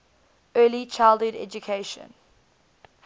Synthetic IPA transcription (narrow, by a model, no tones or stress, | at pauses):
ɜːlit͡ʃʰaɪlˠdəɾɛ̰d͡ʒukʰeɪʃə̰̃n